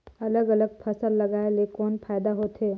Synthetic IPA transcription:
ɐləɡɐləɡ̚pʰɐsəlːɐɡaːelekɔːnpʰaːɪd̪aɦoːt̪ɦeː

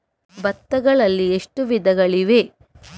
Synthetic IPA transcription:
bɐt̪ːɐɡɐɭɐlːieʂʈuʋid̪ɐɡɐɭiʋe

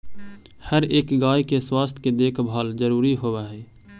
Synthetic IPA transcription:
həɾeːkɡaːjkeswaːst̪ʰked̪eːkʰbʱaːld͡ʒəɾuːɾiɦowaɦɛː

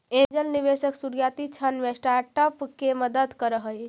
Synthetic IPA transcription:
end͡ʒəlniβesəksuɾijat̪it͡ʃʰənmesʈaɾʈəpkeməd̪əd̪kəɾəɦəj

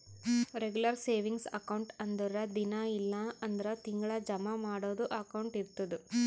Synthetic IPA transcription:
ɾeɡjulɐɾseːʋiŋɡsɐ̰kɐwɳʈɐnd̪ɔɾɐd̪inɐilːɐɐnd̪ɐɾɐt̪iŋɡɐɭɐd͡ʒɐmɐmaːɽoːd̪uʔɐkɐwɳʈiɾt̪ːɐd̪u

